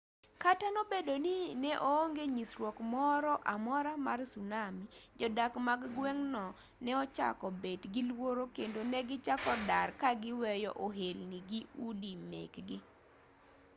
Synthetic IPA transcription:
katanobedoninɛʔooŋɡeɲisɾwɔkmɔɾɔʔamɔɾamarsunamid͡ʒɔdakmaɡɡwɛŋnɔ | nɛɔt͡ʃa̰kɔbedɡɪlwoɾokendonɛɡɪt͡ʃakɔdarkaɡɪwɛjɔ̰ʔoɦelniɡiudimḛkɡɪ

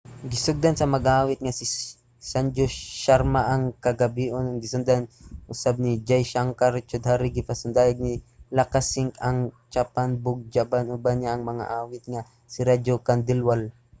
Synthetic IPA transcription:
ɡɪsʊɡ̚d̪ansɐmɐɡʔaːwɪt̪̚ŋasɪ | sand͡ʒoʃaɾmaʔɐŋkɐɡɐbiʔonʊŋɡɪsʊnd̪anʔʊsab̚nid͡ʒajʃaŋkaɾt͡ʃʊd̪haɾiɡɪpasʊnd̪aːjaɡ̚nilakasɪŋkɐŋt͡ʃapanbʊɡ̚d͡ʒabanʔʊbanaʔːŋmɐŋa̰ʔaːwɪt̪̚ŋa | sɪɾad͡ʒokand̪ɪlwal

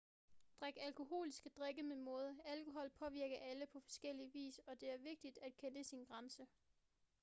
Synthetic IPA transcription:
d̥ʁaɡ̥ælkʰo̝ɦo̝̰ːlisɡ̥əd̥ʁeɡ̥əmemɔ̽ːð̞ˠælkʰo̝ɦɒ̽l̰pʰɒ̽ʋiɐɡ̥ɐʔæləpʰɒ̽fɒ̽sɡ̥el̰iʋḭːsɒ̽d̥e̝æɐʋe̝ɡ̥̚d̥id̥æd̥kʰenəsinɡ̥ʁänsə

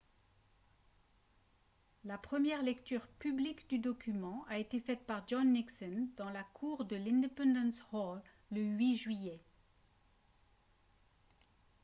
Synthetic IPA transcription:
lapχəmjɛʁlɛkt̪yːʁpyblikd̪yd̪ɔkʲymɑ̃aet̪efɛt̪̚paʁd͡ʒɔ̃nːiksɔnd̪ɑ̃lakʰuʁd̪əlɛ̃d̪epɑ̃d̪ɑ̃shɔlː | əɥiʒɥijɛ

